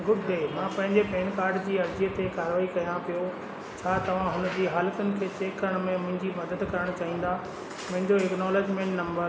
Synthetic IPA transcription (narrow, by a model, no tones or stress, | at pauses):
ɡʊʈd̪eːmãpɐ̃ɦɪ̃ɲd͡ʑepeːnkaːɾɖd͡ʑiːɐɾd͡ʑiət̪ekaːɾʋaːikɐjãpijo | t͡ɕʰaːt̪ɐʋ̤ãɦʊnəd͡ʑiːɦaːlkʊnɪ̆kʰeːt͡ɕeːkːɐɾəɽ̃mẽmʊ̃ɦɪ̃ɲd͡ʑimɐd̪əd̪kɐɾəɽ̃t͡ɕaːɦĩːn̆d̪a | mʊ̃ɦɪ̃ɲd͡ʑoɪknɔːleːd͡ʑmẽːɳʈnɐ̃mbəɾ